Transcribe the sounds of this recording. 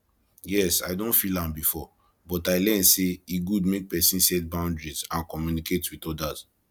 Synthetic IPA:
jɛsa̰ɪdõntfilãmbifɔ | bɔtaɪlɛ̃nseiɡud̚mek̚pɛsĩnsɛtbãʊ̃ndɹizãnkɔmjuniketwitɔdaz̥

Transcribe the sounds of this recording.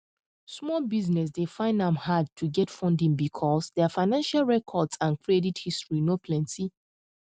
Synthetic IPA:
smɔlbiznɛs̬defãɪ̃ndãmhad̚tʰuɡɛtfɔ̃ndĩŋbikʰɔsdɛfaɪnãnʃalɹɛkʰɔdsãnkʰɹedithistɹinopʰlɛ̃nti

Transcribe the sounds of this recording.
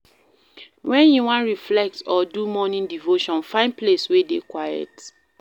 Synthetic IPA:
wʔɛ̃njuwãnɹiflɛk̚tɔdumɔnĩndivoʃɔ̃nfãɪ̃ndpleswedekwajɛ̰t

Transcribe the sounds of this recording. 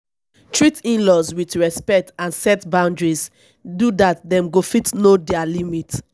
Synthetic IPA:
tɹitĩnlɔswitɹɛspɛk̚tãnsɛtbãʊ̃ndɹis | dudat̚dɛ̃mɡofitnodɛalimit

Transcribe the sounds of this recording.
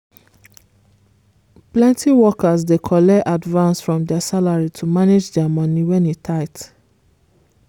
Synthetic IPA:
plɛ̃ntiwɔkazdekʰɔlɛʔadvãnsfɹɔ̃mdɛasalaɹitʰumaned͡ʒdɛamɔniwɛ̃nitʰaɪt

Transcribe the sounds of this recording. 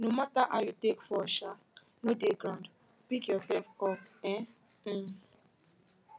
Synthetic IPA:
nomataʔajutekfɔʃa | nodeɡɾãnd | pikjɔsɛfɔpɛ̃

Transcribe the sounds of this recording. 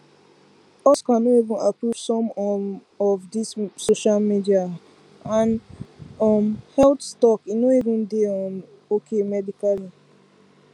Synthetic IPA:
ɔskãnoivĩnapɹuvsɔ̃m | ɔvdissoʃalmidia | ãn | ɔmhɛltstɔkinoivĩndeɔ̃n | okʰemɛdikali

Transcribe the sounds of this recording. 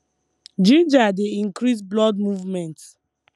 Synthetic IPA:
d͡ʒĩnd͡ʒadeĩŋkɾis̬blɔdmuvmɛ̃nts

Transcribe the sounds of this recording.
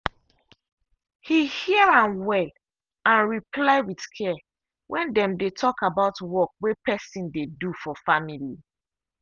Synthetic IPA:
hihiɹãnwɛl | ãnɹipʰlaɪwidskʰɛ | wʔɛ̃ndɛ̃mdetʰɔkabaʊtwɔk̚wepʰɛsĩndedufɔfamili

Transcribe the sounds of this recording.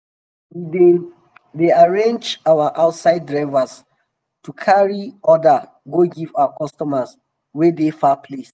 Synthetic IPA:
wie | deaɹẽnd͡ʒawaʔaʊtsaɪdɹaɪvas | tukʰaɹiɔda | ɡoɡivawakɔstɔmas | wɛdefapʰles

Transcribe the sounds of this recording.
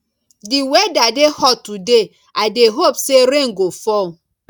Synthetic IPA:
diwedadehɔtude | adeɦopseɾeŋ̩ɡofɔ

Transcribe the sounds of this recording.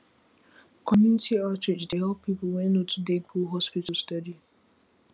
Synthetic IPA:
kʰɔmjunitʰiatɹɪd͡ʒdeɦɛlpːiplwɛ̃notʰudeɡuɦɔspitəlstadi

